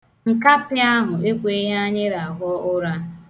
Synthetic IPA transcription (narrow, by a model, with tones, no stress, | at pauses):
ŋ̩˨ka˦pɪ˦a˦ɦʊ˨e˦kʷe˨˦ɦa˦ɲɪ˦ɾa˨a˨ɦɔ˦ʔʊ˦ɾa˦